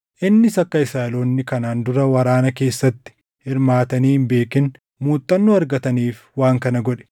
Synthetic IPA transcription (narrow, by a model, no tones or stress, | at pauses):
ʔɪnːɪsɐkːɐɪsaːɐlo̞ːnːɪkɐnaːnd̪ʊɾɐwɐɾaːnɐke̞ːsːɐt̪ːɪ̥ | hɪɾmaːt̪ɐniːhɪmbe̞ːkɪn | muːt̪ʼːɐnːuɐɾɡɐt̪ɐniːf | waːŋkɐnɐɡɔᶑɛ̥